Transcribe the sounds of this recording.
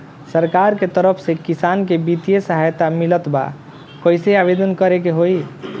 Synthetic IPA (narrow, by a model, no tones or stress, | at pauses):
səɾkaɾket̪əɾəpʰsekisaːnkebit̪ijesəɦajt̪amilət̪ba̰ | koiseabed̪ənkəɾekeɦoi